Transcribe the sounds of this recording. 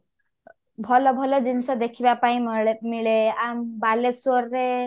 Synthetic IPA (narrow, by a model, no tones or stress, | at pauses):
bʱɔlɔbʱɔlɔd͡ʒinisɔd̪ekʰibapaĩmiɭeambalesɔɾɾe